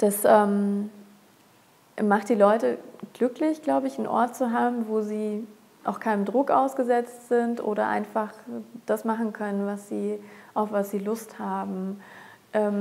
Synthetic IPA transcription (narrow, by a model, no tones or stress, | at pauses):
d̥asʔɛːm | maχt̚d̥iːlɔʏtəɡ̥lʏklɪçɡ̥laʊbəɪçnʔɔ̰ɐt̚t͡suɦaːbm̩voːziː | ʔa̰ʊxkʰaɪnəndʁʊkʔaʊsɡ̥əzɛt͡stz̥ɪntʔo̰ːɾɐʔa̰ɪnfaχd̥asmaχn̩kʰœnənvasz̥iːʔaʊfv̥asz̥iːlʊsthaːbm̩ | ʔɛːm